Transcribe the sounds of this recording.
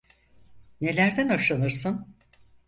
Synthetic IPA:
ne̞lʲæɾd̪ænaʃanɯɾsɯn

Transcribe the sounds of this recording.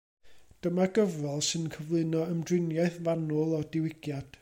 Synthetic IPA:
d̥əmaɡ̥əvrɛlˠsɨnkʰəvlˠɨnɔəmdrɪnjaɨθvanʊlˠɔdɪwɪɡ̥jad̥

